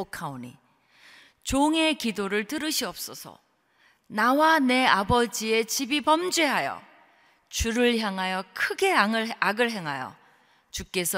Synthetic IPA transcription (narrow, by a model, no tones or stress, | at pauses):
okʰaonḭ | t͡ɕoŋe̞kidoɾɯɭtɯɾɯɕʰiʌp̚s͈ʌsʰʌ̰ | nawane̞abʌd͡ʑie̞t͡ɕibipʌmd͡ʑweɦajʌ̰ | t͡ɕuɾɯɭçjaŋɦajʌkʰɯɡe̞aɯaɡɯɭɦe̞ŋɦajʌ̰ | t͡ɕuk͈e̞sʰʌ